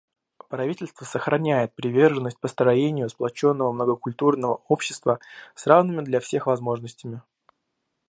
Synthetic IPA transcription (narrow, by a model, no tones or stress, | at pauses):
pɾɐvʲitʲɪlʲst̪vəsəxɾʔɐnʲæjɪt̪̚pɾʲɪvʲe̞rʐɨnːəsʲt̚ʲpəst̪ɾɐjenʲɪjʊsplˠɐt͡ɕo̞nːəvəmnəɡəkʊlʲt̪urnəvəopɕːɪ̥st̪vəsravnɨmʲɪd̪lʲɐfsʲe̞xvɐzmo̞ʐnəsʲtʲɪmʲɪ